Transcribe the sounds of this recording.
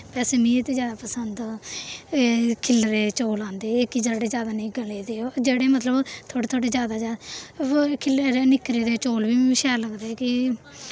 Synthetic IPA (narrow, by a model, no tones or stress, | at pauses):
pɛːsemĩːet̪eːd͡ʒjaːd̪aːpəsənd̪ | kʰɪlɾeːt͡ʃoːlãːnd̪eːɪkiːd͡ʒaːɽeːzjaːd̪aːnĩːɡəleːd̪eːd͡ʒeːɽeːmət̪ləbt̪ʰoːɽeːt̪ʰoːɽeːzjaːd̪aːd͡ʒa | kʰɪleɾeːnɪkɾeːd̪eːt͡ʃoːlʋiːʃɛːləɡd̪eːkɪ